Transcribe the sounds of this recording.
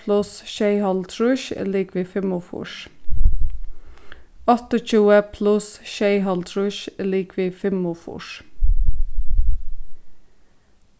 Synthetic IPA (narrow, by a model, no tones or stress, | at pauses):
lʊsʃeɪhɑlt̪ʰɾʉʃə̰liːkʰʋiːfɪmʊfʊ̰ʃ | ɔt̪ɔc͡çʉːəpʰlʉsʃeɪhɑlt̪ʰɹʉʃliːkʰʋiːfɪmʊfṵːʃ